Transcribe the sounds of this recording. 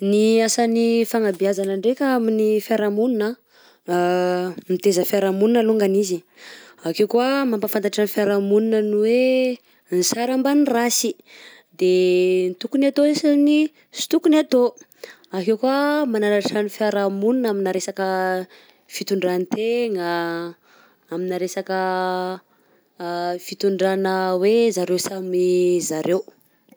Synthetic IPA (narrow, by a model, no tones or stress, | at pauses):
niasanifaŋabiazanəɳɖ͡ʐekʲaaminifjaɾamuninə | mit̪ezəfaɾamuninaluŋɡanizi | akewkuamampafant̪aʈ͡ʂanfjaɾamuninənuwe | nisaɾambanirasi | d̪ent̪ukunat̪oesani | si̥t̪ukuniat̪o | aɦewkuamananaʈ͡ʂanifjaɾamunnaminaɾesakə | fit̪uɳɖ͡ʐanit̪eŋa | aminaɾesakə | fit̪uɳɖ͡ʐanəwezaɾewsamizaɾew